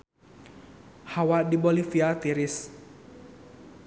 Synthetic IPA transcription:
hawadibɔlifiat̪iɾis

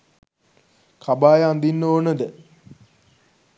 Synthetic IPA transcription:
kʰabaːjəãnd̪inːoːnəd̪ə

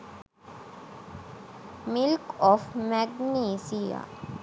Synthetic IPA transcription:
mɪlkɔfmɛɡniːsija̰

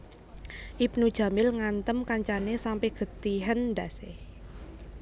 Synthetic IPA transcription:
ʔip̚nud̥ʒ̥ä̤mɪlŋant̪əmkaɲt͡ʃanesampɛhɡ̥ə̤t̪iɦənd̪a̤se

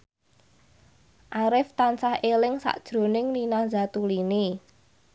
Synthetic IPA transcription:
ʔaɾɪft̪ansahelɪŋsa̰ʔd̥ʒ̥ɾo̤nɪŋninahzat̪uline

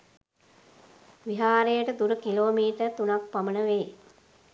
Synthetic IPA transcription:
ʋiɦaːɾejəʈəd̪uɾəkiloːmiːʈərt̪unak̚pamənəʋeː

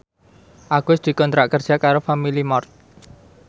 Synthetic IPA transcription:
ʔaɡ̥ʊsd̪̥i̤kɔnt̪ɾaʔkərd̥ʒ̥akaɾofamilimɔrt̪̚

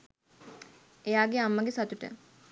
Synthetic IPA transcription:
ejaːɡeamːəɡesat̪uʈə̰

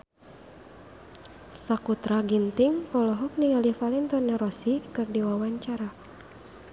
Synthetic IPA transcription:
sakut̪ɾaɡint̪iŋɔlɔɦɔk̚niɡalifalɛnt̪ɔnːɛɾɔsikɨrdiwawaɲt͡ʃaɾa

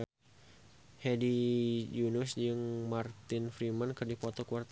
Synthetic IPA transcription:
hɛdid͡ʒunʊsd͡ʒɨŋmart̪ɪnfɾimankɨrdifot̪ɔkuart̪

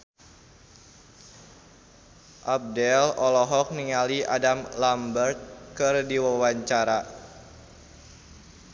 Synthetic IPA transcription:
ʔab̚dɛlɔlɔɦɔk̚niŋaliʔa̰damlambərt̪̚kɨrdiwawaɲt͡ʃaɾa

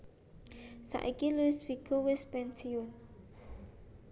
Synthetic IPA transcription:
sa̰ʔikiluɪsfiɡ̥owɪspɛnsiʊn

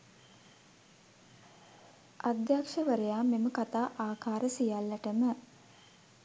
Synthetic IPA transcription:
ʔad̪jakʂəʋəɾəjaːmeməkat̪aːʔaːkaːɾəsijalːəʈəmə

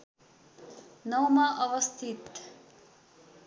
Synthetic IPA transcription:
nʌwmaʔʌʋʌst̪ʰit̪

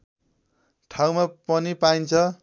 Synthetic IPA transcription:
ʈʰaw̃mapʌnipaint͡sʰʌ

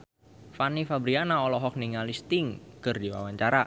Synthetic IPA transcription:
fanifabɾianaɔlɔɦɔk̚niŋalist̪ɪŋkɨrdiwa̰waɲt͡ʃaɾa

